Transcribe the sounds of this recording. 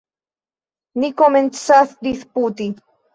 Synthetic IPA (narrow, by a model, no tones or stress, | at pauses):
nikoment͡saθd̪isput̪i